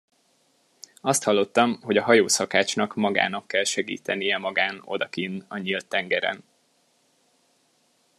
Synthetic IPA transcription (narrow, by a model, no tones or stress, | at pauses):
ɒst̪hɒlːo̞t̪ːɒmho̞ɟɒɦɒjoːsɒkaːt͡ʃnɒkmɒɡa̰ːnɒkːɛlʃɛɡḭːt̪ʰɛnijɛmɒɡaːno̞̰d̪ɒkinɒɲiːlt̪ːɛŋɡɛɾɛ̰n